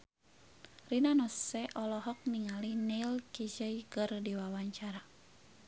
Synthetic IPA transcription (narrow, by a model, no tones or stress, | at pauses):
rinanɔsːɛʔɔlɔɦɔk̚niŋalinilkid͡ʒəjkərdiwawaɲt͡ʃaɾa